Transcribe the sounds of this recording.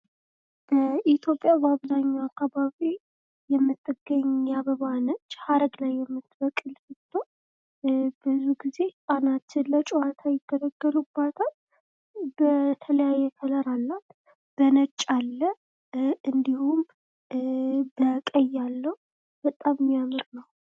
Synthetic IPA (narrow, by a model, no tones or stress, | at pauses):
b̥əʔit̪ʰjo̞pʼjabəaβzaɲːaakʰːaβaβi | jɛmːɨt̪ʼːɨɡːəɲːjaβəβanət͡ʃːhaɾəɡlajːɛmːɨt̪ːbəkʼːɨlsɨt̪ʰʼːo | bɨzuɡize̞sʼanat̪lət͡ʃʼuwat̪ʰajɪɡ̥ːələɡːəɾubːat̪ʰal | bət̪ʰələjajːɛkʰələɾalːat̪ | b̥ənət͡ʃʼːalːə | ɨnd̪ihum | bəkʼəjːalːəhu | b̥ət̪ʼammijamɨɾnəw